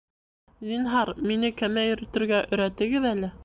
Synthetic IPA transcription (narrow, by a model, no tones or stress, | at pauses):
zinɦɑɾminɘkæmæjɵ̆ɾɘ̆t̪ɘ̆ɾɡæʔɵ̆ɾæt̪ɘ̆ɡɘðælɘ